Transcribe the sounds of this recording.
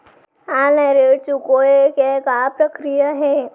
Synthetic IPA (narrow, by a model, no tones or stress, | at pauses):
anɐɾet͡ʃukoekekapɾəkɾijaɦɛ